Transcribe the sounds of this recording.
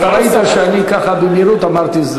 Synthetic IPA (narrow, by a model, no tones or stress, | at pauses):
t̪aɾait̪aʃeanikaχabemiɾut̪amaʁt̪iz